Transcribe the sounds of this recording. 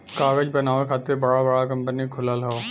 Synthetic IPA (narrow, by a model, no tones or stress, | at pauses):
kaːɡəd͡ʒbɐnaːʋekʰaːt̪ɪɾbɐɽabɐɽakɐ̃mpənikʰʊlalao